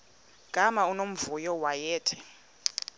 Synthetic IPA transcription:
ɡ̥ʼʱamaunom̩vujɔwajɛːtʰɛ̥

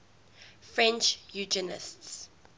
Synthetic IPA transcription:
fɹɛ̃nt͡ʃjud͡ʒənɪ̰sts

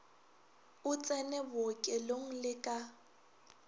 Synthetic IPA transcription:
ʊt͡sʼɛnɛbʊkʼɛloŋ̩lɪkʼa

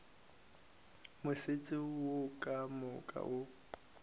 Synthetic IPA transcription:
mʊsɪt͡sʼɪwokʼamʊkʼa̰ʔo

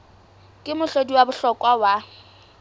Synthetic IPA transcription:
kʼɪmʊɬodiwabʊɬɔkʼwawa

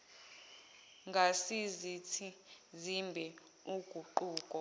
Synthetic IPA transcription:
ŋɡʱasizitʰizimbʱɛ | uɡ̥ʱuǃuːkʼɔ

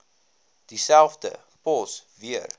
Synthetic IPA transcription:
d̥isælˠfdə̰ | pɔsviər

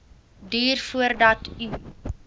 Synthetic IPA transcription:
diːrfuərdɐtʰy

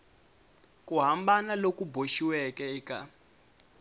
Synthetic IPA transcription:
kuɦambanalokuboʃiwɛkɛika̰

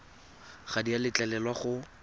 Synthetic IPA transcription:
χadialɪt͡ɬɛlɛlwaχʊ

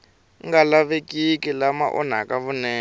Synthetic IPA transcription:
ŋɡalaβekʼikilama̰ʔɔ̰n̤a̰kaβunɛː

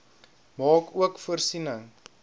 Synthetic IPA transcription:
mɑːkuəkfuərsinəŋ

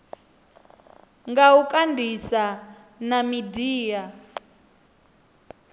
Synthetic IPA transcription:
ŋɡaukʼandʱisanamidiːja

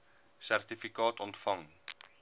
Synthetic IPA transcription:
særtifikɑːtɔntfɐŋ

